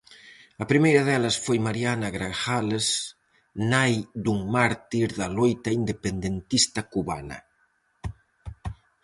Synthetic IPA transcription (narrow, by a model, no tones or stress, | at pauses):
ɐpɾimejɾɐðɛlɐsfojmaɾianaɣɾaʃales | najd̪uŋmaɾt̪iɾðɐlojt̪ɐind̪epend̪ent̪ist̪ɐkuβa̰nɐ̰